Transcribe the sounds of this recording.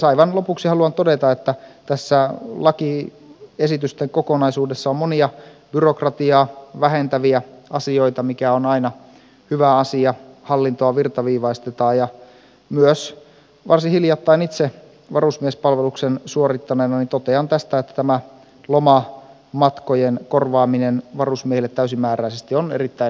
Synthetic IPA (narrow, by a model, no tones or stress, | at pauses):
sɑiʋɑnlopuksihɑluɑnt̪odet̪ɑet̪ːæt̪æsːælɑki | esit̪yst̪eŋkokonɑisuːdesːɑommoniɑb̥yrokrɑt̪iɑːʋæɦent̪æʋiæɑsioit̪ɑmikæonɑinɑ | hyʋæɑsiɑhɑlːint̪oɑʋirt̪ɑʋiːʋɑist̪et̪ɑːjɑ | myøs | ʋʔɑrsihiljɑt̪ːɑinit̪se | ʋɑrusmiespɑlʋeluksensuorit̪ːɑnenɑnit̪ot̪eɑnt̪æst̪æet̪ːæ̥t̪æmæ | lomɑ | mɑt̪kojenkorʋɑːminenʋɑrusmiehilːet̪ːæysimːæːɾæisest̪ionḛrit̪ːæi